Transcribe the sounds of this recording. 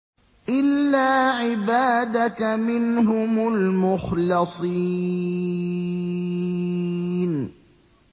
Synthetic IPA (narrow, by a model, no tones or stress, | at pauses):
ʔɪlːaːʕɪbaːd̪akamɪnɦʊmʊlmʊxlɑsˤi | n